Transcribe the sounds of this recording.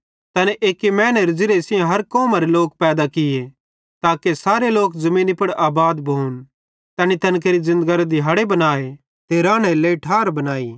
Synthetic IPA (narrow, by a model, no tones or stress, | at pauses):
t̪ɐnɛʔeːkemɛ̃ːnɛɾɪd͡ʒɪɾesɪjãɦɐɾkɔːmaɾeloːk̚pɛːd̪akɪje | t̪aːkesaːɾeloːkzɐmiːnipɐɽaːbaːd̪bʱun | t̪ɛːnit̪ɐnk̬eːɾizɪ̃nd̪ɡaɾd̪ɪɦaːɽebɐnaːe | t̪eːɾãːɽ̃eleiʈʰaːɾbɐnaːiː